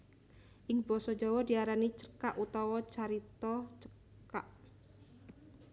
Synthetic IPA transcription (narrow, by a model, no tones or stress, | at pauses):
ʔɪŋbɔsɔd͡ʒɔwɔdiaɾanit͡ʃə̥kaʔut̪ɔwɔt͡ʃaɾit̪ɔt͡ʃə̥ | kaʔ